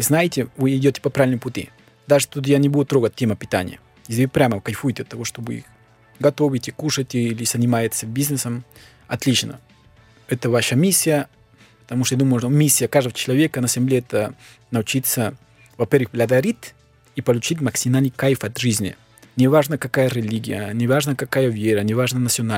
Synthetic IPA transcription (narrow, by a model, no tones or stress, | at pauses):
znajɪtʲɪvɨːdʲotʲɪ̥pɐpɾaɪlʲnəmpʊtʲḭ | d̪aʐɨ̥t̪ut̪janʲɪbud̪ʊt̪ɾoɡət̚ʲtʲːeməpʲɪt̪a̰nʲɪ̰jə̰ | jes̬ʲlʲɪvɨpɾʲaməkɐjfujɪtʲɪɐt̪ːɐvoʂt̪obɨḭx | ɡɐt̪ovʲɪtʲikuʂətʲiilʲɪz̥ɐnʲɪmajɪt̪səbʲiznəsəm | ɐt̪lʲit͡ʃnə̰ | ɛt̪əvaʂəmʲisʲːɪjə | pə̥t̪ɐmuʂt̪ojd̪uməjʊnomʲisʲːɪjəkaʐd̪əvət͡ʃɪlˠɐvʲekənɐzʲɪmlʲeɛt̪ə | nɐʊt͡ɕit̪sə | vɐpʲervɨxblʲɐd̪ɐɾʲit̪ʲ | ipɐlˠʊt͡ɕit̬ʲmɐksʲimalʲnɨjkajfɐt̪ʐɨzʲnʲɪ̰ | nʲɪvaʐnəkɐkajəɾʲɪlʲiɡʲɪ̰jə̰nʲɪvaʐnəkɐkajəvʲeɾənʲɪvaʐnənɐt̪sʲɪona